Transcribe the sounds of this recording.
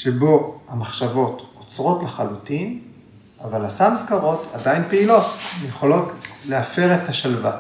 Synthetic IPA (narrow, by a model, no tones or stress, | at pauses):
ʃebo̞amaχʃavo̞tot͡sʁo̞tleχalutin | avalasamskaʁo̞tadainpeilo̞tjeχo̞lo̞tleafe̞ʁetaʃalva